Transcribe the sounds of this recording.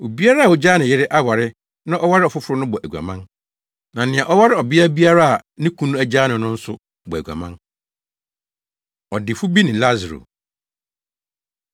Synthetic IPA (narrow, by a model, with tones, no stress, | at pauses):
o˨bi˦a˦ɾa˦a˨wo˨d͡ʑaː˦nɪ̃˨jɪ˦ɾɪ˦ʔa˦wa˨ɾɪ˦ | nã˦ʔɔ˦wa˦ɾɪ˦ɔ˨fʊ˦fʊ˦ɾʊ˦nʊ̃˦bɔ˨ʔæ˨ɡa̰˨mã˦n | nã˨nɪ̃˨ã˨ʔɔ˦wa˦ɾɪ˦ɔ˨bɪ˦a˦bi˦a˦ɾa˦a˨nɪ̃˦kʰũ˦nũ˦æ˨d͡ʑaː˦nʊ̃˨˦nʊ̃˦n̩˦sʊ˦ | bɔ˨æ˨ɡa̰˨mã˦n | ɔ˨dɪ˨fʊ˦bi˦nɪ̃˨la˦zɾo̰˨